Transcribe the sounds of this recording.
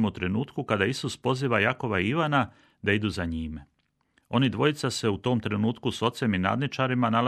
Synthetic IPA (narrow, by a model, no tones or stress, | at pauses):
mut̪ɾe̞nuːt̪kukad̪aisuspo̞ziːʋajako̞ʋaiʋana | d̪aid̪uzaɲiːme | o̞nid̪ʋo̞it̪sase̞ut̪o̞ːmt̪ɾe̞nuːt̪kuso̞t̪se̞mina̰ːd̪nit͡ʃaɾimanal